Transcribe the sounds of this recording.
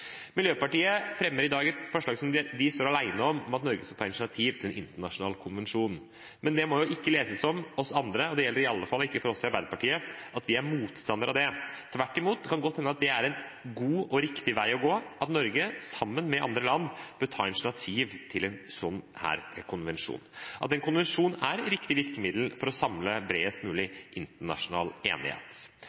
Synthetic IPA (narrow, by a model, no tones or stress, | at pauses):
mɪljøːpɑʈiːəfɾɛmːəɾɪd̪ɑːɡɛt̪fɔʂɭɑːɡsɔmd̪ɛd̪ɪst̪oːɾɑlæɪnəɔmɔmɑt̪nɔɾɡəskɑt̪ʰɑːɪnt̪ɳɑt̪ʰiːʋt̪ʰɪlɛnʔɪ̰nt̪əɳɑʂʊnɑ̰ːlkʰʊnʋɛnʂuːn | mɛnd̪ɛmɔjʊʔɪkːəleːsəsɔmɔsɑnd̪ɾəɔd̪ɛjɛlːəɾɪɑlːəfɑlːɪkːəfɔɾɔsːɪɑɾbæɪd̪əpɑʈʰiːəʔɑt̪ʋɪæɾmuːt̪st̪ɑnd̪əɾʔɑʋd̪ɛt̪ʰʋæʈːɪmuːt̪kʰɑnɡɔt̪hɛnːəɑt̪̚d̪ɛæɾɛnɡuːɔɾɪkt̪ɪʋæɪɔɡoːɑt̪nɔɾɡəsɑmːənmɛʔɑ̰nd̪ɾəlɑnːb̥øt̪ʰɑ̰ːɪlt̪ɳɑt̪ʰiːʋt̪ʰɪlɛnsɔnːhæ̰ːɾkʰʊnʋɛnʂṵːnʔɑt̪ɛnkʰʊnʋɛnʂuːnæɾɾɪkt̪ɪʋɪɾkəmɪd̪lfɔɾɔsɑmləbɾeːəst̪mʉːlɪʔɪnt̪əɳɑ̰ʂʊnɑ̰ːlḛːnɪ̰hḛːt̪